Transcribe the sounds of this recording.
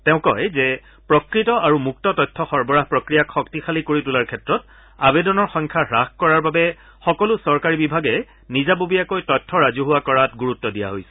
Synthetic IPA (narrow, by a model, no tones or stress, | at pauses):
tɛʊ̃kɔjzɛ | pɹɔkɹitɔʔaɹumuk̚tɔtɔjtʰːɔxɔɹbɔɹaɦpɹɔkɹijakxɔktixʰalikoɹitulaɹkʰɛtɹɔt | abɛdɔnɔɹxɔ̃ŋkʰaɹaxkɔɹaɹbabɛ | xɔkɔlʊsɔɹkaɹibibʱaɡɛ | nizabobiakojtɔjtʰːɔɹazuɦʊwakɔɹatɡuɹutːɔdija̰ɦojsɛ̥